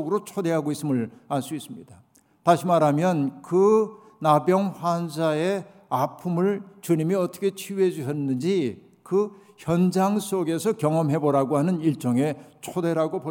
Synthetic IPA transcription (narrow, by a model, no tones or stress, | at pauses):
ɡɯɾot͡ɕʰode̞ɦaɡois͈ɯmɯɭaɭs͈uis͈ɯmɲid̥a | taɕʰimaɾamjʌnkɯ | nabjʌŋɸwansae | apʰumɯɭt͡ɕuɲimiʌt͈ʌ̥kʰe̞t͡ɕʰiwe̞d͡ʑuɕʰʌnːɯnd͡ʑi | kɯ | çjʌnd͡ʑaŋs͈oɡe̞sʰʌkjʌŋʌmɦe̞boɾaɡoɦanɯniɭt͡ɕ͈ʌŋe̞t͡ɕʰode̞ɾaɡopo